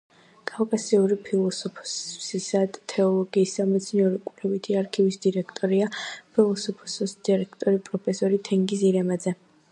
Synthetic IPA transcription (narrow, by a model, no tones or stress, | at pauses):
kʼawkʼasiuɾipʰilˠɔsɔpʰɔssisad̪t̪ʰːɛɔlˠɔɡiːsd̪amɛt̪sʰniɔɾikʼvlɛvit̪ʰiaɾkʰivisd̪iɾɛkʰt̪ʼɔɾiapʰilˠɔsɔpʰɔ̥sɔsd̪̥iɾɛkʰt̪ʼɔɾipʼɾɔpʰɛsɔɾit̪ʰɛŋɡis̬iɾɛmad̪zɛ